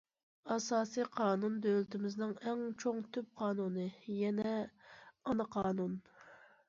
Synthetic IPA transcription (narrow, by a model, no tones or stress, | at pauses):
ɑsɑːsiqʰɑːnund̪ølɪt̪ʰɪmɪznɪŋɛŋt͡ʃʰoŋt̪ʰyp̚qʰɑːnunɨjɛnɛ | ɑnɨqʰɑːnun